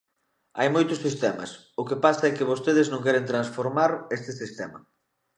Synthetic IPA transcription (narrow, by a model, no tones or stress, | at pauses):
a̰jmojt̪ʊssːist̪ɛmɐ̰s | ʊkɪpasɐɛkɪβost̪eð̞ɪznõŋkɛɾent̪ɾansfoɾmaɾest̪ɪsist̪ɛmɐ̰